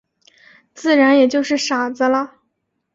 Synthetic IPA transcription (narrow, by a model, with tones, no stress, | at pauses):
t͡sɹ̩˥˩ɻa˧˥njɛ˨˩t͡ɕjo˥˧ʊʂɻ̩˥˩ʂa˨˩d͡zə˦lə˧